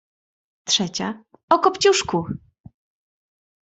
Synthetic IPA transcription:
tʂɛt͡ɕa̰ | ɔkɔpt͡ɕuʂku

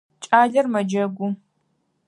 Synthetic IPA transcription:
t͡ʃʼaːɮɐrmɐd͡ʒɐɡʷʊ

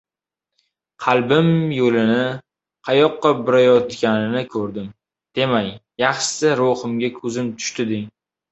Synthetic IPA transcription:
qʰɑlˠbɪmjolɪnɪ | qʰɑjɒqːɑbɪɾajɒt̪kʲanɪnɪkʲʰɵɾd̪ɪm | d̪̥e̞majjɑχʃɪ̥saɾohɨmɡʲakʰɵzɪmt̪ʰʊ̥ʃt̪ɪd̪ɪŋ

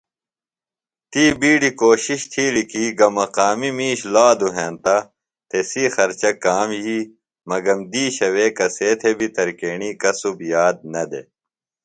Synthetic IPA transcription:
t̪iːbiːɖikoːɕiɕt̪ʰiːɽikiːɡɐmɐqaːmimiːɕlaːd̪uɦẽːnt̪ɐ | t̪esixɐɾt͡ɕɐkaːmjiː | mɐɡɐmd̪iːɕɐwekɐseːt̪ʰebit̪ɐɾkeːɳiːkɐsubjaːd̪̚nɐd̪ḛ

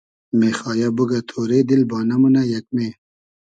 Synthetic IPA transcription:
meːxɑːjabuɡat̪ʰoːɾeːd̪ilbɑːnɐmunajɐk̚me

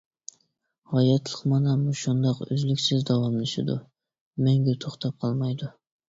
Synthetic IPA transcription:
hɑjɑt̪lˠəqmɑnɛmuʃund̪ɑqø̰zlykʲsɪzd̪ɑwɑmlˠɨʃɪ̰d̪ʊ̰ | meŋɡʲet̪ʰoχt̪ʰɑp̚qʰɑlˠmɑjd̪ʊ

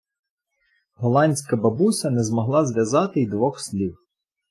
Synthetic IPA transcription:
ɦɔlˠɑnʲsʲkɐbɐbusʲɐnɛzmɔɦlˠɑzʋʲjɐzɑt̪ɪjd̪ʋɔxsʲlʲiw

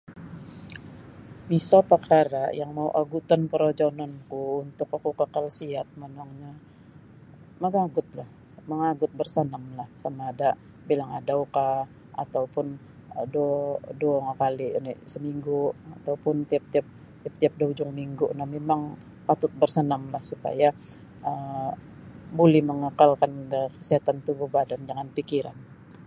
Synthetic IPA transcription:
bisapakʰaɾajaŋmauʔaɡut̪ankəɾod͡ʒonɔnkuːnt̪ʊkakukəkalsiat̪̚mənɔŋɲa | məŋaɡʊt̪̚lah | məŋaɡʊt̪̚bərsənəmlahsamaːda | bilaŋadauka | ʔa̰t̪awpʊn | ədodoŋakalinɪsəmiŋɡuat̪awpʊnt̪iap̚t̪iap̚ | t̪iap̚t̪iap̚daud͡ʒʊŋmiŋɡʊʔnamemaŋ | pat̪ʊt̪̚bərsənamlahsupa̰ja | ə | bolɛhməŋakalkanəkəsiɦat̪ant̪ubuhbadandəŋanpikiɾa̰n

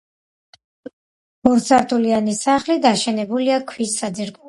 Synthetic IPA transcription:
b̥ɔɾt̪sʰaɾt̪ʰulianisaχlid̪aʃɛnɛbuliakʰwisːad̪iɾkʼu

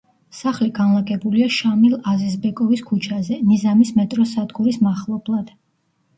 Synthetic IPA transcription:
saχliɡanlˠaɡɛbuliaʃamilˠazisbɛkʼɔviskʰut͡ʃʰazɛnizamismɛt̪ʼɾɔsad̪ɡuɾismaχlˠɔblˠad̪̥

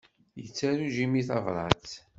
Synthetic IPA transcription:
jət͡sːæɾuʒimiθɑvɾˤɑt͡s

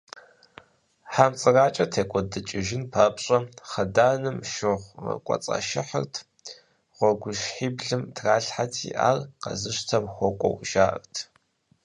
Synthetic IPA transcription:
ħamt͡sʼɨraːt͡ʃʼɐtʰeːkʷʼɔdɨt͡ʃʼɪʒɪnpʰaːpɕʼɐχɐdaːnɨmʃɪʁʷrɐ̰kʷʼɐ̰t͡sʼɐ̰ʃɪħə̰rtʰ | ʁʷɔɡʷʊʃħiːbɮɨmtʰraːɬħatʰḭʔa̰ːrqɐ̰zɨʃtʰɐmxʷɔkʷʼɔ̰wʒaːʔə̰rtʰ

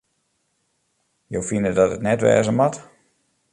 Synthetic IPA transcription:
jowfinədɔtətnɛtʋɛ̰ːzəmat

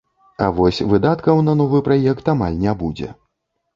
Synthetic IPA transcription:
a̰vɔsʲvɨd̪at̪kɐwnɐnɔvɨpɾajɛkt̪amalʲnʲabud͡zʲɛ̰

